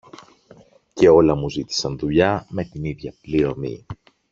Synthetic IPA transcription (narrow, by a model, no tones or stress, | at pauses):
ce̞o̞lɐmuzit̪i̥sɐnðuʎɐme̞t̪iniðʝɐpliɾo̞mḭ